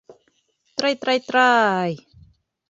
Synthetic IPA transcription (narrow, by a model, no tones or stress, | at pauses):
t̪ɾajt̪ɾajt̪ɾaj